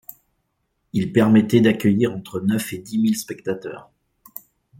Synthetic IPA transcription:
ilpɛʁmɛt̪ɛd̪akʲœjiʁɑ̃t̪χənœfed̪imilspɛk̚t̪at̪œ̰ːʁ

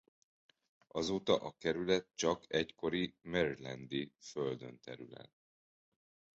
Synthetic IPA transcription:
ɒzoːt̪ɒʔɒkɛɾylɛt̪̚t͡ʃɒkʰɛcko̞ɾimɛɾilɛ̰nd̪iføld̪ø̞nt̪ɛɾylɛ̰n

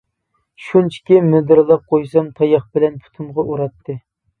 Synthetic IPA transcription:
ʃunt͡ʃʰi̥kʲimyd̪ɨɾlˠɑp̚qʰojsɑmt̪ʰɑjɑχbɪlɛnpʰy̥t̪ʰumʁɑʔuɾɑt̪ʰːɨ

